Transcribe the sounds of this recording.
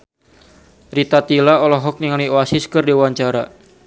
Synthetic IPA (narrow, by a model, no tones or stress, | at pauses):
rit̪at̪ilaɔlɔɦɔk̚niŋalioasiskɨrdiwaɲt͡ʃaɾa